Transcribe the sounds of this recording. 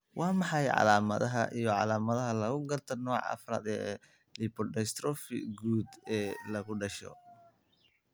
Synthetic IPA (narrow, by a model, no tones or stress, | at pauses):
wʔɑːmɑħɑjʕɑ̰laːmɐðɐɦɐʔijɔʕɑ̰laːmɐðɐɦɐlɐɣʊɡɐrt̪ʰɐnɔːʕɐ̰fɾa̰ːd̪ɛː | lipɔɖɛst̪ɾɔfɪ̰ɡuːd̪ɛːlɐɣʊɖɐʃɔ̰